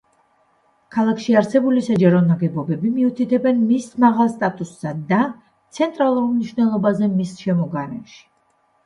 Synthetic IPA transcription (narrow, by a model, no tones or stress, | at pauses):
kʰalˠakʰʃiaɾsɛbulisad͡ʒaɾɔnaɡɛbɔbɛbimiut̪ʰit̪ʰɛbɛnmismaʁalˠst̪ʼat̪ʼusːad̪a | t̪sʰɛnt̪ʼɾalˠuɾmniʃvnɛlˠɔbazɛmisʃɛmɔɡaɾɛʃi̥